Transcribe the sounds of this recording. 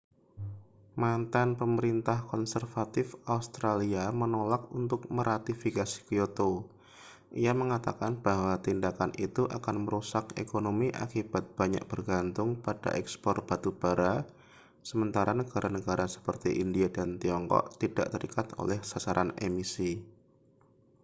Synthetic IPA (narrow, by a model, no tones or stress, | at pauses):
mant̪anpəməɾint̪ahkɔnsərfat̪ɪfaust̪ɾaliamənolakunt̪ʊk̚məɾat̪ifikasi̥kijot̪o | ʔijaməŋat̪akanb̥aɦwat̪indakanʔit̪uʔakanməɾusakḛkonomiʔa̰kib̥at̪̚b̥aɲa̰ʔ̚b̥ərɡant̪ʊŋpad̥a̰ʔɛkspɔrb̥at̪ub̥aɾa | səmənt̪aɾʔanəɡ̥aɾʔanəɡaɾasə̥pərt̪iʔindiadant̪iɔŋkɔ̰ʔt̪id̥a̰ʔt̪əɾikat̪o̰lɛhsasaɾʔanḛmisi